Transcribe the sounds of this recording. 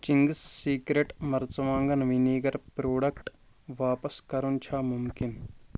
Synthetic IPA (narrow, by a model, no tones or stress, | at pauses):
t͡ʃiŋɡsːiːkɾeʈmɐɾt͡ʃɐʋaːŋɡɐnʋiniːɡɐɾpɾoːɖɐkʈ | ʋaːpɐskɐɾunt͡ʃʰaːmumkin